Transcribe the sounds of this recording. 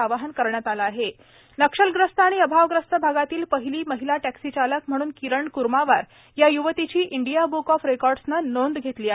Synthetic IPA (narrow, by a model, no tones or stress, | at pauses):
aʋaɦənkəɾɳjat̪alaːɦe | nəkʂəlɡɾəst̪ʰəːɽ̃iəbʱaʋɡɾəst̪ʰəbʱaɡat̪iːlpəɦiliːməɦilaʈæksit͡ɕaləkm̤əɽ̃uːnkiɾəɳkuɾmaʋaɾ | jajuʋət̪it͡ɕiːʔiɳɖijabukɔfɾekɔɾɖsnanond̪ɡʱet̪liːa